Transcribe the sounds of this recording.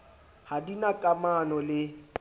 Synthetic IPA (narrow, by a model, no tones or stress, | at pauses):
hadinakʼamanɔlɪ